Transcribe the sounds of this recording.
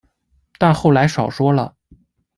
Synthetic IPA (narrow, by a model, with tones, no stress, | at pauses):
t̪a˥˧nxo˥˩ʊla˧˥ɪʂɑ˨˩ʊʂwɔ˥lə˨